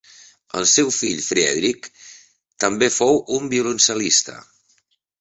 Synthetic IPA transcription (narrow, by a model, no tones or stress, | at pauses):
ə̰lˠsɛwfiʎfɾɛ̰ðɾik | t̪əmbefowumbiulunsəlist̪ə̰